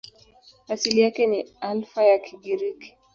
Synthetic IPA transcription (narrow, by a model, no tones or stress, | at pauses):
asilijakɛnialfajakʰiɡiɾiki̥